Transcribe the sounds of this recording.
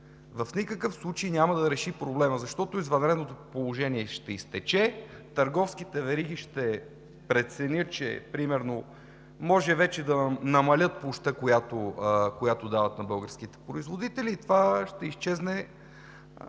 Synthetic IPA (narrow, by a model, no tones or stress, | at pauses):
vəfnʲikəkəfslˠut͡ʃejnʲamɐd̪ɐɾɛʃipɾoblɛməzɐʃt̪ɔt̪oizvɐnɾɛd̪not̪opolˠoʒɛniɛʃt̪ɛist̪ɛt͡ʃɛt̪ɐɾɡɔfskit̪ɛvɛɾiɡ̟iʃt̪ɛ | pɾɛt̪sɛnʲɤt̪t͡ʃɛ̰pɾimɛɾno | mɔʒɛvɛt͡ʃɛd̪ɐnɐmɐlʲɤt̪̚poʃt̪əkojat̪okojat̪od̪avɐt̪nɐbɤlˠɡəɾsk̟it̪ɛ̥pɾoizvod̪it̪ɛlit̪vaʃt̪ɛist͡ʃɛznɛ